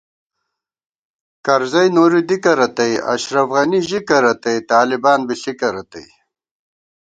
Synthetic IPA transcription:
kɐɾzɐjnoːɾid̪ikɐɾɐt̪ɐja̰ɕɾɐfɣɐniʑikɐɾɐt̪ɐjt̪aːlibaːnbiɬikɐɾɐt̪a̰j

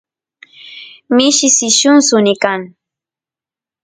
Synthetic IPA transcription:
mɪʃɪsɪʃʊnsʊnɪkaŋ

